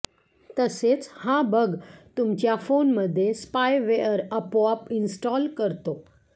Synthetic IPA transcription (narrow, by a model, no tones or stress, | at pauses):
t̪əset͡shãbʱəɡt̪ʊmt͡ɕjafoːnməd̪ʱːjespajʋeəɾəpoapɪnsʈɔːlkəɾt̪o